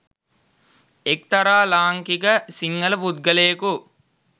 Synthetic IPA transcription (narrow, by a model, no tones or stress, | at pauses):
ek̚t̪ɐɾaːlaːŋkikəsiŋːələpud̪̚ɡəlejku